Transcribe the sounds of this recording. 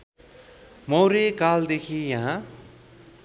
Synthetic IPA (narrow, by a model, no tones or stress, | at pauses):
mʌwɾekald̪ekʰijaɦã